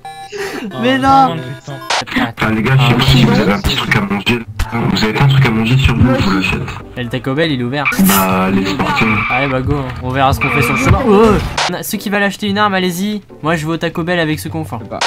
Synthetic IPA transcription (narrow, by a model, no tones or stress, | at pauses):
mɛnɔ̃ | sɛaaleɡaʃɛpassivuzaveɛ̃pət̪i̥t̪χykamɑ̃ʒẽvuzavet̪ɛ̃t̪χykamɑ̃ʒesyʁvuvuləʃɛ̰t̪ | ɛlət̪akɔbɛlilɛuvɛʁbalespɔʁt̪ʰiaɛbaɡoɛ̃ɔ̃vɛʁasə̥kɔ̃fɛsyʁləsamãõnasəkʲivəlaʃt̪eynaʁmalezi | mwaʒəvoːt̪akobɛlavɛksəkɔ̃fɔ̃